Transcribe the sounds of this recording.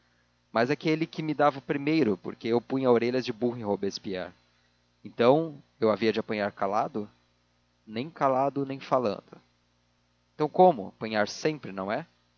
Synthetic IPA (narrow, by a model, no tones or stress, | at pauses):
mɐzakelɪkɪmɪd̪avɐʊpɾimejɾʊpo̰ɾkeewpũj̃ɲɐoɾeʎɐzd͡ʒɪbuɦɪ̃hobespia̰ɾ | ẽnt̪ɐ̃w̃ | ewaviɐd͡ʒɪapɐ̃ɲaɾkalad̪ʊ | nẽj̃kalad̪ʊnẽj̃falɐ̰̃nd̪ʊ | ẽt̪ɐ̃w̃kõmʊ̰a̰pɐ̃ɲaɾsẽmpɾɪnɐ̃w̃ɛ